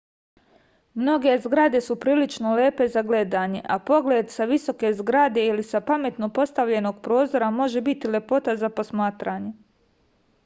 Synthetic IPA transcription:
mno̞ɡe̞zɡɾad̪e̞supɾiːlit͡ʃnole̞ːpe̞zaɡle̞d̪aɲe̞̰ʔapo̞ɡled̪saʋiso̞ke̞zɡɾad̪e̞ilisapame̞t̪no̞po̞st̪aʋʎe̞no̞ɡpɾo̞ːzo̞ɾamo̞ʒe̞bit̪ile̞po̞t̪azapo̞smaːt̪ɾaːɲe̞

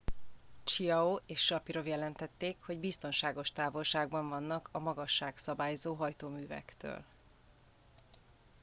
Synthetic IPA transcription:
t͡ʃiɒoeːʃːɒpiɾo̞vjɛlɛnt̪ɛt̪ːeːkho̞ɟbist̪o̞nʃaːɡo̞ʃt̪aːvo̞lʃaːɡbɒɱvɒnːɒkʰɒmɒɡɒʃːaːksɒbaːjzoːɦɒjt̪oːmyːvɛ̰kt̪ø̰ːl

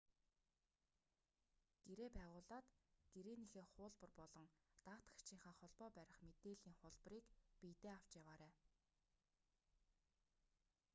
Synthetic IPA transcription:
ɡ̥eɾeːpæːʁʊːɮaːt̪ɡ̥eɾeːnexeːχʊːɮpə̆rpɔɮɞ̆ŋt̪aw̥t̪ḁt͡ɕʰĭːŋχə̆ŋχɔɮpɔːpæɾʲɪ̆χmet̪eːɮiːŋχʊɮp̆riːkpijt̪eːaw̥t͡ɕjawaːɾæː

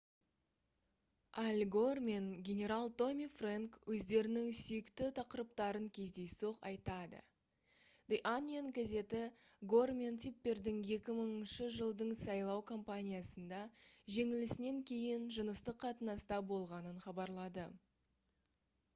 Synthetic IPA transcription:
ælʲɡo̞rmenɡʲe̞nʲe̞ɾalˠt̪o̞mʲifraŋkwʔɵzd̪e̞ɾɪnɪŋsijɪkt̪ɪt̪ʰɑqəɾəp̚t̪ɑɾəŋkʲʰe̞zd̪e̞jso̞qɑ̰jt̪ɑd̪ə̰ | d̪̥ejʔanʲienkʲʰaze̞t̪ɪɡo̞rmʲent̪ʰipːe̞ɾd̪ɪŋje̞kʲɪməɴnʃəʒəlˠd̪əɴsɑjlˠɑwkʰo̞mpanʲijasənd̪ɑʒe̞ŋɪlɪsɪne̞ŋkʲʰe̞jɪnʒənəst̪əqʰːɑt̪ənɑst̪ɑbo̞lˠʁɑnənχɑbɑɾlˠɑd̪ə

